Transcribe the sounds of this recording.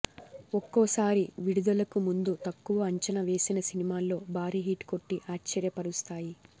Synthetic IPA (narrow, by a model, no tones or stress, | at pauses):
ɔkːɔːsaːɾiʋiɽud̪ɐlɐkumund̪ut̪ɐkːuʋɐɐɲt͡ʃɐnɐʋe̞ːsinɐsinimaːlːo̞ːbʱaːɾiɦiːʈko̞ʈːiʔaːt͡ʃt͡ʃːɐɾjɐpɐɾust̪aːji